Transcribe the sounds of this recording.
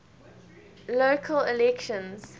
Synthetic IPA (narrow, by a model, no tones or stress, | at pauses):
loːkʰəlɪlɛkʃə̃nz̥